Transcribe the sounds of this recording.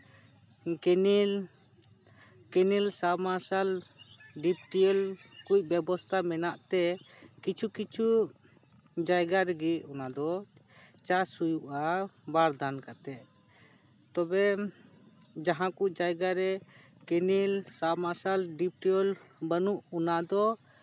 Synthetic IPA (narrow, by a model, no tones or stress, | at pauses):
kɛnil | kɛnilsamaɾsalɖip̚ʈiɔlkuc̚bɛbɔst̪ʰamɛnaʔt̪ɛkit͡ʃʰukit͡ʃʰu | d͡ʒajɡaɾɛɡiʔɔnad̪ɔ | t͡ʃasujuʔabaɾd̪ankat̪ɛʔ | t̪ɔbɛ | d͡ʒaɦãkuʔd͡ʒajɡaɾɛ | kɛnilsamaɾsalɖip̚ʈiɔlbənuʔunad̪ɔ